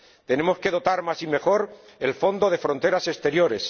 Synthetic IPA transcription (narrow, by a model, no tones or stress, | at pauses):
t̪e̞ne̞mo̞ske̞ðo̞t̪aɾmasime̞xo̞ɾelfo̞nd̪o̞ðe̞fɾo̞nt̪e̞ɾase̞st̪e̞ɾjo̞ɾe̞s